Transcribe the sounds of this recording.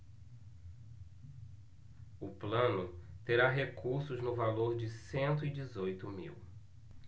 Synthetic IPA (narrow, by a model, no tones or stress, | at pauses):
ʊplɐ̃nʊt̪eɾaɦekuɾsʊznʊvaloɾd͡ʒɪsẽnt̪ʊɪd͡ʒɪzojt̪ʊmḭw